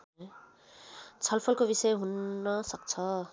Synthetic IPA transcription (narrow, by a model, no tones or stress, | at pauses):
t͡sʰʌlpʰʌlkobisʌjɦunːʌsʌk̚t͡sʰʌ